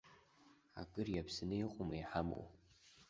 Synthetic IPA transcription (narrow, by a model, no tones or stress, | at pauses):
a̰kʼɨrjapʰsɨnɨiqʼomajħamo̰w